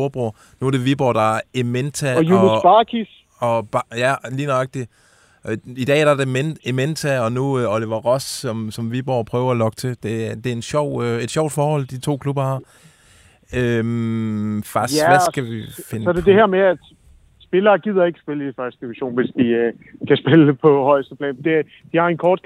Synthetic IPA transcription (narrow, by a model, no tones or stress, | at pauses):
oɐb̥ʁo | nuæɐd̥e̝ʋib̥ɒ̰ːd̥ɑ̈æement͡sʰæjunb̥ɑkʰis | ɒ̽b̥ɑjæliːnɑɡ̥̚d̥i | id̥ɛ̰ːæɐɾ̥ɑd̥e̝menement͡sʰæɒ̽nuɒleʋɐʁɒsɒ̽msɒ̽mʋib̥ɒ̰ːpʰʁœːʊɐælɒ̽ɡ̥ə̥t͡sʰe̝d̥e̝æd̥e̝æɐe̝nɕɒʊ̰e̝d̥ɕɒʊ̰d̥fɒːhɒ̽l̰d̥it͡sʰo̝̰ːkʰlub̥ɐhɑ̈ | øm | fɑsʋæsɡ̥æʋife̝nɒd̥ed̥e̝heɐ̰meæ̥ | sb̥e̝lɐːɡ̥ið̞̰ˠɐe̝ɡ̥ə̥sb̥e̝ləifɶɐsd̥əd̥iʋiɐɕo̝̰ːnʋe̝sd̥ikʰæsb̥e̝ləd̥epʰɒ̽hɒ̽ɪ̰sd̥əpʰlɛ̰ːnd̥e̝ | d̥ihɑ̈e̝nkʰɒːd̥̚